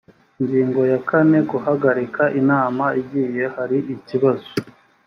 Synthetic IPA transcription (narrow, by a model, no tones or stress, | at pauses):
iɲɟiːŋɡo̞jakane̞ɡuhaɡaɾikʰaʔinaːmaiɟiːje̞haɾiʔiciβazo